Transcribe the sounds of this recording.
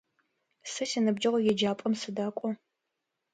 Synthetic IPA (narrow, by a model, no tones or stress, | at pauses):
sɐsɐnɨbd͡ʒɐʁʷɔjɛd͡ʒaːpʼɐmsɨdaːkʷʼɔ